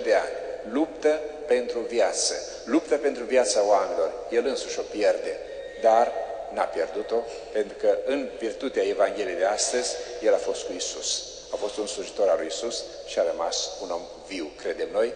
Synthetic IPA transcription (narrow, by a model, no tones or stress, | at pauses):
d̪eanʲlupt̪əpe̞nt̪ɾuvjat̪sə | lupt̪əpe̞nt̪ɾuvjat̪saoamenilo̞rje̞lɨnsuʃʲo̞pje̞rd̪e̞ | d̪arnapje̞rd̪ut̪o̞ | pe̞nt̪ɾukəɨnvirt̪ut̪eae̞vaŋɡʲe̞lijejd̪east̪əzʲje̞lafo̞st̪kuisus | afo̞st̪unsluʒit̪o̞ɾalujisus | ʃiaɾəmasuno̞m | viwkɾe̞d̪e̞mno̞j